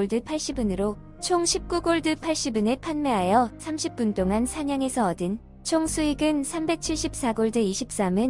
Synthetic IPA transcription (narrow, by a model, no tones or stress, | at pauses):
ɭdɯpʰaɭɕ͈ibunɯɾo | t͡ɕʰoŋɕʰip̚k͈uɡoɭdɯpʰaɭɕ͈ibɯne̞pʰanme̞ɦajʌsʰamɕʰip͈̚unt͈oŋansʰaɲaŋe̞sʰʌːdɯn | t͡ɕʰoŋsʰuiɡɯnsʰambe̞k̚t͡ɕʰiɭɕ͈ip̚s͈aɡoɭdɯiɕʰip̚s͈amɯn